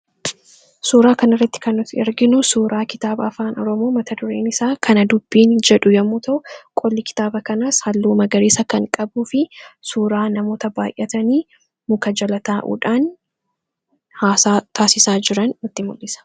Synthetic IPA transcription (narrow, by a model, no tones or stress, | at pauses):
suːɾaːkɐnɪrːɐt̪ːɪ̥kɐnːʊt̪ɛɾɡɪnʊsuːɾʔaːkɪt̪aːbɐɐfaːnɔɾɔmo̞ːmɐt̪ɐd̪ʊɾeːnɪsaːkʰɐnɐd̪ʊbːiːnd͡ʒɛᶑʊjɐmːuːt̪ɐʊkʼɔlːɪkɪ̥t̪aːbɐkɐnashɐlːuːmɐɡɐɾeːsɐkɐŋkʼɐbuːfɪsuːɾaːnɐmo̞ːt̪ɐbaːjʔɛt̪ɐniː | mʊkɐd͡ʒɐlɐt̪aːʔṵːᶑaːn | haːsaːt̪ʰaːsɪsaːd͡ʒɪɾɐnːʊt̪ːɪmʊlːɪsɐ̥